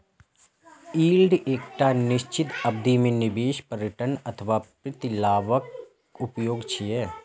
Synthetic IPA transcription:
iːlɖeːkʈaːnɪʃt͡ʃɪt̪ɐb̚d̪imẽnɪbeːʃpəɾəʈənɐt̪ʰəʋaːpɾɪt̪ɪlaːʋək | ʊpjoːɡt͡ʃʰijɛ

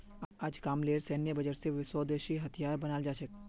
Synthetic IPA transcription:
ad͡ʒkaːmleːɾsɛːnjəbɐd͡ʒəɾseʋɪsɔːd̪eːʃiɦɐt̪ʰijaːɾbɐnaːld͡ʒaːʃək

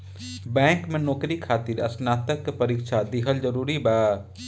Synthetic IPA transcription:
bɛ̃ːŋkmẽnɔːkɾikʰaːt̪ɪɾɐ̰snaːt̪əkpɐɾiːkʃad̪ɪɦəld͡ʒəɾuːɾibaː

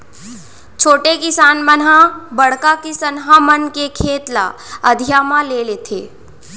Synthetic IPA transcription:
t͡ʃʰoːʈekɪsaːnmənɦãbəɽ̤kakesənɦãmənkekʰeːt̪la̰əd̪ʱijaːmãleleːt̪ʰḛː

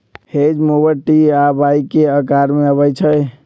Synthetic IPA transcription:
hed͡ʒmobəʈiabajkeəkaɾmeəβəjt͡ʃʰəj

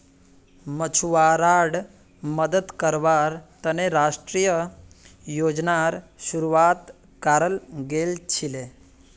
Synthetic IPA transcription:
mət͡ɕʰuʋaɾaɽ | məd̪ət̪kəɾʋaɾt̪əneɾaʂʈɾijə | jod͡ʑnaɾɕuɾuʋat̪ | kaɾəlɡelt͡ɕʰile

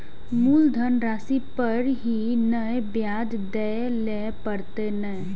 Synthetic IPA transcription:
muːld̪ʱənɾaːsipəɾɦinəebjaːd͡ʒ | d̪ɛ | lɛ | pəɾt̪enə

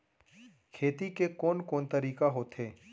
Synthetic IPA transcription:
kʰeːt̪ikekɔːnkɔːnt̪ɐɾiːkaɦoːt̪ɦeː

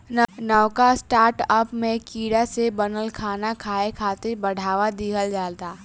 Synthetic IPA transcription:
nnəwkasʈaːɾʈəpmẽkiːɽasebɐnəlkʰaːnakʰaːekʰaːt̪ebɐɽ̤ʱaːʋad̪iːɡəld͡ʒaːlt̪aː

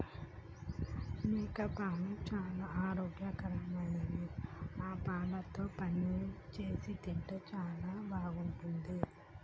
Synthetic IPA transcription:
nɛːkɐpaːlɐt͡ʃaːlaːaːɾoːɡjakɐɾɐmɐnɐniaːpaːlɐt̪o̞ːpɐnit͡ʃe̞ːsit̪iɳʈet͡ʃaːlaːbʱaːɡuɳʈund̪i

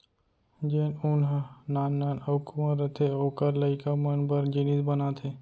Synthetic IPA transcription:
d͡ʒeːnʊnɦnaːnːaːnəkuməɾət̪ʰeoːkəɾləɪkamənbəɾd͡ʒɪnisbənat̪ʰeː

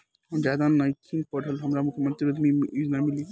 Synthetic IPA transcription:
ɦɔd͡ʒjaːd̪anajkʰinpəɽ̤əlɦɐmɾamʊkʰjəmə̃nt̪ɾiəd̪miiːznamɪli

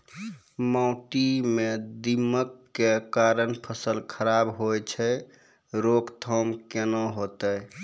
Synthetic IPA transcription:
maʊʈimed̪iməkːekaɾənpʰəsəlkʰəɾabɦojt͡ʃʰɛ | ɾokt̪ʰɔmkenoɦot̪əj

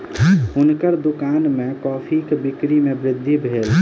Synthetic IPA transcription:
unkəɾd̪ukanmekɔːpʰikebikɾimebɾɪd̪ʱːibʱel

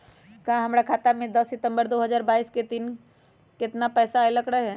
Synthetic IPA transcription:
kaɦɐmɾakʰaːt̪amẽd̪ɐsːɪt̪ə̃mbəɾd̪oːɦɐzaːɾbaːiːsket̪iːn | kɪt̪napɛːsaeləkɾəɦɛ̃ː

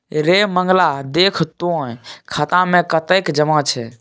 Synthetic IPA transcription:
ɾeməŋɡlad̪ekʰt̪õkʰat̪ãmẽkət̪əkd͡ʒəmãt͡ʃʰɛ

